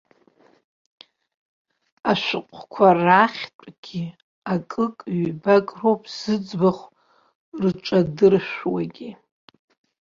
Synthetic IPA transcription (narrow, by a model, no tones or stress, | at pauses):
aʃʷɨqʷʼʰkʷʰaraχʲtʷʼɡ̥ʲi | akʼɨkʼɥbakʼrowpʰʼz̥ɨd͡zbaχʷ | rt͡ʃʷʼadɨrʃʷᶣwaɡʲi